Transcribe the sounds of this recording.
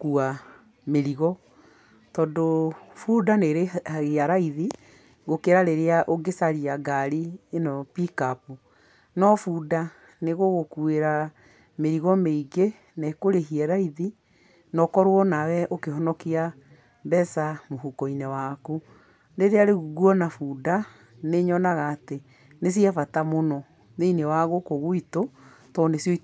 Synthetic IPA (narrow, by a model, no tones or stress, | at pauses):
kua | meɾiɣɔ | tɔːdofudaneɾeaɣeaɾaiði | ɣokeɾaɾeɾeaʔoɡesaɾiaɡaɾienɔpikapu | nɔfuda | neɣoɣokueɾa | meɾiɣɔmeiɡe | nɛekoɾeɦiɛɾaiði | nɔkɔɾwɔnawɛʔokeɦɔnɔkia | bɛsamoɦukɔinɛwako | ndeɾeaɾeɣuɣuɔnafuda | neɲɔnaɣaːte | nes̬iafatamonɔ | ðeinewaɣokoɣoito | tɔnesjɔi